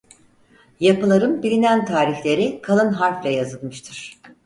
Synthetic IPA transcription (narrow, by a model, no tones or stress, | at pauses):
japɯlˠaɾɯnbilʲinænt̪ʰaːɾiçlʲe̞ɾikʰalˠɯnɦaɾflʲajazɯlˠmɯʃt̪ʰɯɾ̥